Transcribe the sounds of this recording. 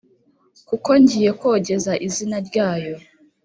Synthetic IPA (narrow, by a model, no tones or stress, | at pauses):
kuko̞ɲɟije̞koɟe̞zaʔizinaɾɟaːjo̞